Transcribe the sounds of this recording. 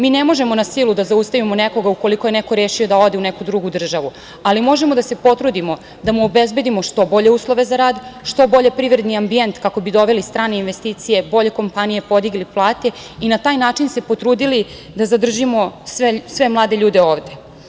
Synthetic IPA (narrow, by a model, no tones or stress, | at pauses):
miːnemo̞ʒe̞mo̞nasilˠud̪azaust̪aʋimo̞neko̞ɡauko̞liko̞je̞neko̞ɾeːʃiod̪ao̞d̪eunekud̪ɾuɡud̪r̩ʒaʋu | alimo̞ʒemo̞d̪ase̞po̞t̪ɾud̪imo̞ | d̪amuobezbe̞d̪imo̞ʃt̪o̞bo̞ʎe̞uːslˠoʋe̞zaɾaːd̪ʃt̪o̞bo̞ʎe̞pɾiʋɾe̞d̪niambient̪kako̞bid̪o̞ʋe̞list̪ɾaːne̞inʋest̪iːt̪sije̞bo̞ʎe̞ko̞mpanije̞po̞d̪iɡliplˠaːt̪e̞ | inat̪aːjnaːt͡ʂinse̞po̞t̪ɾuːd̪ili | d̪azad̪r̩ʒimo̞sʋesʋe̞mlˠaːd̪eʎuːd̪e̞oːʋd̪e̞